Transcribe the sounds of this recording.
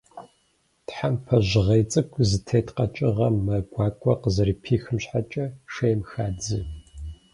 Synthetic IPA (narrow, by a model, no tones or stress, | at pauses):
tħampʰɐʑɪʁɐjt͡sʼɨkʷʰʼzɨtʰeːtʰqɐt͡ʃʼɪʁɐmːɐɡʷɑːkʷʼɔqəzɐriːpʰiːxɨmɕħat͡ʃʼɐʂejmxaːd͡zɨ